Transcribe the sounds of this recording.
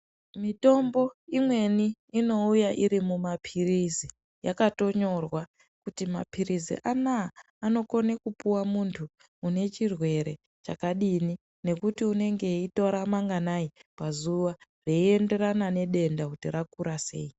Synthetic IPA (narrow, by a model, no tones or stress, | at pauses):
mito̞mbo̞imwe̞niːno̞ujaʔiɾimumapʰirizi | jakato̞ɲo̞rwa | kutima̰pʰirizḭʔanaː | no̞ko̞nekupuwamuntʰuː | ne̞t͡ʃirwe̞ɾe̞ | t͡ʃa̰kaɗini | ne̞kutiune̞ŋɡe̞ito̞ɾamaŋɡanaipazuʋareie̞nde̞ranane̞ɗe̞ndakutirakuɾase̞̰ːi